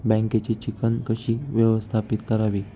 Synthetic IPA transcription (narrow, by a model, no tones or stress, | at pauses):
bɛ̃ŋket͡ɕit͡ɕikənkəɕiːʋjəʋəst̪ʰapit̪kəɾaʋiː